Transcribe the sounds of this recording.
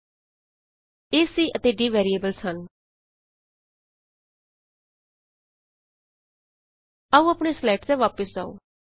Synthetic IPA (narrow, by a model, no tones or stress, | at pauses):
eːsiːʔət̪eːɖiːʋɛːɾieːbəlsən | əũːəpɳ̃eːslɛːʈt̪eːʋaːpəsa̰ːo̰ː